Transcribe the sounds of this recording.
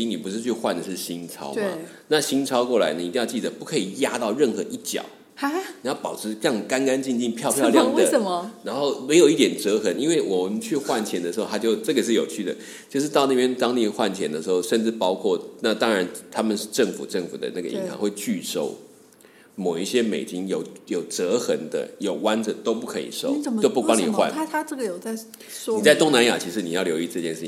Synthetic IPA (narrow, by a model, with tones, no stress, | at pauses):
i˧˥ŋni˨˩pu˧˦ʂɻ̩˥˧t͡ɕʰy˥˧xwa˥˩nd̪ə˨˩ʂɻ̩˥˩ɕi˥nt͡sʰɑ̰˥ʊmɐ̰˨˦ | na˥˨ɕi˥nt͡sʰɑ˥ʊkwɔ˥˩la̰˧˦ɪnə˨i˧t̪i˥˧jɑ˥˧t͡ɕi˥˩d̪ə˩pu˥˩kʰɤ˧˥i˨˩ja˥t̪ɑ˥˧ʊɻə˥˩nxɤ˧˦ʔi˥˩t͡ɕjɑ̰˨˩˦ʊ˥ | ni˨˩˦jɑ˥˩ʊpɑ˨˩ʊʈ͡ʂʰɻ̩˧˥jɑ˥˩ŋ˨ka˥˦nka˥˦nt͡ɕi˥˧nt͡ɕi˥˧ŋpʰjɑ˥˧pʰjɑ˥˧ʊljɑ˥˩ŋd̪ə˥˦ə˨ɻa˧˥nxo˥˩ʊme˧˥ɪjo˨ʊi˥˩t̪jɛ˨˩nʈ͡ʂɤ˧˥xə˧˥ni˥nwe˥˩ɪwɔ˨˩mə˦t͡ɕʰy˥˧xwa˥˩nt͡ɕʰjɛ˧˥nd̪ə˨ʂɻ̩˧˥xo˥˧a˥t͡ɕjo˥˧ʊʈ͡ʂɤ˥˩ɡə˩ʂ̬ɻ̩˥˩jo˨˩ʊt͡ɕʰy˥˩d̪ə̰˩ | t͡ɕjo˥˧ʊʂɻ̩˥˧t̪ɑ˥˧ʊnə˥˩pjɛ˥nt̪ɑ˥ŋnə˥˩pjɛ˥nxwa˥˩nt͡ɕʰjɛ̰˧˦nd̪ə˨ʂɻ̩˧˥xo˥˧ʊʂə˥˧nʈ͡ʂɻ̩˥˩pɑ˥ʊkʰwɔ˥˩na˥˧t̪ɑ˥ŋɻa˧˦nt̪ʰa˥mə˨nʂ̩˥˧ʈ͡ʂə˥˩ŋfṵ˨˩ʈ͡ʂə˥˩ŋfṵ˨˩d̪ə̰˦na˥˩ɡə̰˩ḭ˧˥ŋɕɑ̰˧˥ŋxwe˥˧ɪt͡ɕy˥˧ʂo˥˩ʊ | mo˨˩ʊi˥˩ɕjɛ˥mḛ˨˩ɪt͡ɕi˦˥ŋjo˨˩ʊjo˨˩ʊʈ͡ʂɤ˧˦˥xə˧˥ŋd̪ə̰˧jo˨˩ʊwa˦˥nd͡zə˨t̪o˥ʊpu˥˩kʰɤ˧˥ḭ˨˩ʂo˥˧ʊt͡ɕjo˥˧ʊpu˥˩wɑ˥ŋni˨˩xwa̰˥˨n˥t̪ʰa˥ʈ͡ʂɤ˥˩ɡə˩jo˨˩t͡sa˥˩ɪ | n˥i˨˩a˥˩ɪt̪ʊ˥ŋna˧˥nja̰˨˩t͡ɕʰi˧˥ʂɻ̩˧˥ni˨˩jɑ˥˩ʊljo˧˥ʊi˥˧ʈ͡ʂɤ˥˧t͡ɕjɛ˥˧nʂɻ̩ʰ˥˩i˨˩